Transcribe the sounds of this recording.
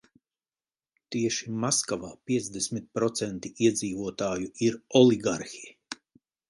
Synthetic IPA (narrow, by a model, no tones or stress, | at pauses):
t̪iɛʃimaskavaːpʲiɛd̪zd̪esmit̪̚pɾɔt̪sɛnt̪iiɛd̪ziːvuɔt̪aːjuiɾɔlˠiɡaɾxij